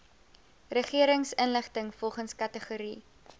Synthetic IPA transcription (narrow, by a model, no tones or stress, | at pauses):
rəχiəɾəŋsənləχtəŋfɔlˠχənskɐtəχuɾi